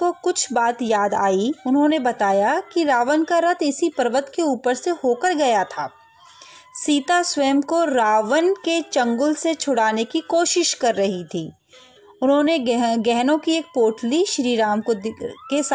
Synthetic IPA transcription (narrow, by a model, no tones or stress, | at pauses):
kokʊt͡ʃʰbaːt̪jaːd̪a̰ːiʊnɦõnebɐt̪aːjakiɾaːʋənkaɾɐt̪ʰɪsipɐɾʋət̪keuːpəɾsehoːkəɾɡɐjat̪ʰaː | siːt̪aswɛːmkoɾaːʋənket͡ʃɐ̃ŋɡʊlset͡ʃʰʊɽaːnekikoːʃɪʃkɐɾːɐɦit̪ʰiː | ʊnɦõneɡɛɦnõkieːk̚poːʈliʃɾiːɾaːmkokes